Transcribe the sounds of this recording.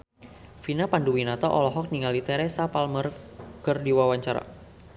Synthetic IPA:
finapanduwinat̪ɔʔɔlɔɦɔk̚niŋalit̪ɛɾɛsapalmərkərdiwawaɲt͡ʃaɾa̰

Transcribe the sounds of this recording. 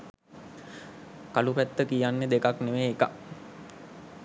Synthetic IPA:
kalupæt̪ːəkijanːed̪ekakneʋeːka

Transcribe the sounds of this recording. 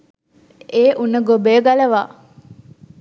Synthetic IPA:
ʔeːʔunəɡobeːɡalɐʋaː

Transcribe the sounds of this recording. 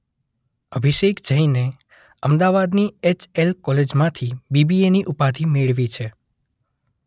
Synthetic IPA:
əbʱiʃekd͡ʒəine | əmd̪aʋad̪niet͡ʃelkɔled͡ʒmãt̪ʰibibieniʔupat̪ʰimeɭʋit͡ʃʰe

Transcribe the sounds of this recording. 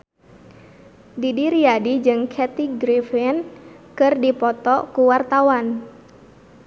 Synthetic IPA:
didiɾiadid͡ʒɨŋkʰɛt̪iɡɾifinkɨrdipɔt̪ɔkuwart̪awan

